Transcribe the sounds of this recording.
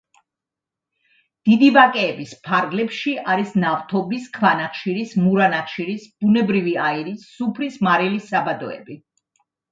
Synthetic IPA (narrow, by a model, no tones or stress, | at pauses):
d̪̥id̪ibakʼɛːbispʰaɾɡlɛpʃiʔaɾisnaft̪ʰɔbiskʰvanaχʃiɾismuɾanaχʃiɾisb̥unɛbɾiviaiɾisːupʰɾismaɾilisabad̪ɔɛ̰bi